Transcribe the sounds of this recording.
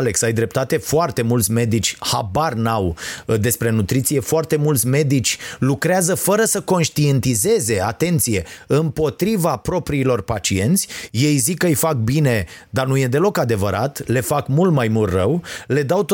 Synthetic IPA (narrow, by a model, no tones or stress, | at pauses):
le̞ksajd̪ɾe̞p̚t̪at̪e̞foart̪e̞mult̪sʲme̞d̪it͡ʃʲhabarnawd̪e̞spɾe̞nut̪ɾit̪sije̞foart̪e̞mult̪sʲme̞d̪it͡ʃʲlukɾeazəfəɾəsəko̞nʃt̪ie̞nt̪ize̞ze̞at̪e̞nt̪sije̞ɨmpo̞t̪ɾivapɾo̞pɾiːlo̞rpat͡ʃie̞nt̪sʲje̞jzikːəɨjfak̚bine̞d̪arnuje̞d̪e̞lo̞kad̪e̞vəɾʔat̪le̞fakmult̪majmult̪rəwle̞d̪awt̪